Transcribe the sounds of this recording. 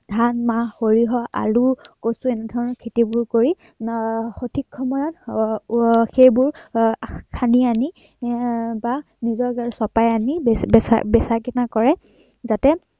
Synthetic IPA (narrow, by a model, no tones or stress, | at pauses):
dʱanmaxoɹiɦɔʔa̰lukosʊɛnɛdʱɔɹɔnɔɹkʰetibʊɹkoɹi | xotʰikʰːɔmɔɹɔt | xejbʊɹ | kʰaniani | ba | nizɔɹɡaɹsɔpajaniɛsa̰bɛsakinakɔɹɛ | zatɛ